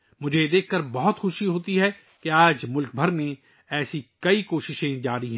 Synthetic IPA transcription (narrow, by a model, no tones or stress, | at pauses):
mʊd͡ʒʱed̪eːkʰːɐɾbɔɦʊt̪xʊʃiɦoːt̪iɦɛ | keaːd͡ʒmʊlk̚bʱɐɾmẽ | ɛːsikɐikoːʃɪʃẽd͡ʒaːɾiɦɛ̃ː